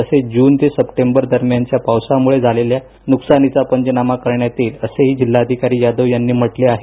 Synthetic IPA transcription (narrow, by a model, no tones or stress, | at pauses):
əsed͡ʑuːnt̪esəpʈembəɾd̪əɾmjant͡ɕjapawsamuɭed͡zʱalelja | nuksanit͡sapəɲd͡ʑənamakəɾɳjat̪iːləseɦiːd͡ʑilːaəd̪ʱikaɾiːjad̪əʋjanːiːm̤əʈleaɦe